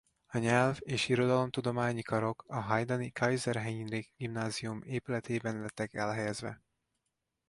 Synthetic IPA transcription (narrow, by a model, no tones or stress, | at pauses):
ɒɲɛlveːʃiɾo̞d̪ɒlo̞mt̪ud̪o̞maːɲikɒɾo̞kɒɦɒjd̪ɒnikʰɒjzɛrɦɛjinriɡɡ̥imnaːziumeːpylɛt̪ʰeːbɛnlɛt̪ːɛkɛlɦɛjɛzvɛ̰